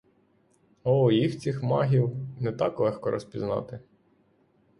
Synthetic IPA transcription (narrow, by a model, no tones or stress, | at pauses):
ɔjixt͡sʲixmɑɦʲiwnɛt̪ɑklˠɛxkɔɾʔɔ̰spʲiznɑ̰t̪ɪ